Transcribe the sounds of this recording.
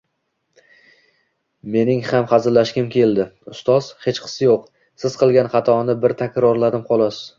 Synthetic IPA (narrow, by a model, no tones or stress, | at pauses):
me̞nɪŋhamχɑzɪɾlaʃkʲɪmkʲʰe̞ld̪ɪʊst̪ɒz̥he̞t͡ʃqʰɨ̥sɪjoq | sɪz̥qɨlˠɡʲanχɑt̪ʰɒnɪbɪɾt̪ʰakʲɾɒɾlad̪ɪmqʰɒlˠɒsɪz̥